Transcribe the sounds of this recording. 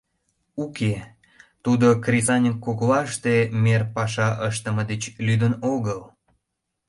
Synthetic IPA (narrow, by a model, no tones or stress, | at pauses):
uke | t̪ud̪okrʲizɑnʲəkːoklɑʃt̪emerpɑʃ̬ɑʔəʃt̪əməd̪et͡ɕlyd̪ənoɣəl